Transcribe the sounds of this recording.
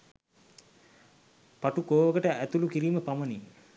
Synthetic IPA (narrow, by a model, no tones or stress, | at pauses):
paʈukoːʋəkəʈəæt̪ulukiɾiːməpaməni